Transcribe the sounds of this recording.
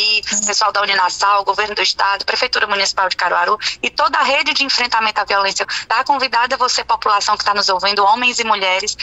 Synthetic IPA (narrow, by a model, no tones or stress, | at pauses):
ipesuawd̪aũninasawɡoveɾnʊd̪ʊiʃt̪ad̪ʊpɾefejt̪uɾɐmũnisi̥pawd͡ʒɪkaɾuaɾuɪt̪od̪ɐɐɦed͡ʒɪd͡ʒɪĩfɾẽnt̪amẽnt̪ʊaviɔlẽsjɐd̪akõvid̪ad̪ɐvosepopulasɐ̃w̃kɪ̥t̪anʊzowvĩnd̪ʊõmẽj̃zɪmuʎɛɾɪs